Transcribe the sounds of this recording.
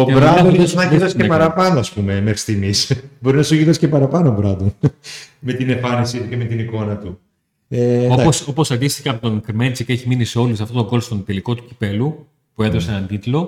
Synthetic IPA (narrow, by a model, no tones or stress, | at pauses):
obɾɐɐsnɐʝiɾðɐssepɐɾɐpɐnoɐspume̞mexɾi̥st̪imisbo̞ɾinɐsuʝiɾðɐscepɐɾɐpɐnobɾɐd̪onme̞t̪ine̞ɱfɐnisit̪uceme̞t̪iniko̞nɐt̪u | eoɐoso̞po̞sɐnd̪ist̪iceɐpot̪o̞ŋkɾimelt͡siceçiminiseo̞lisɐft̪o̞t̪oŋɡo̞lst̪ont̪eliko̞t̪u̥ci̥pe̞lu | pue̞ðo̞seenɐnt̪it̪lo̞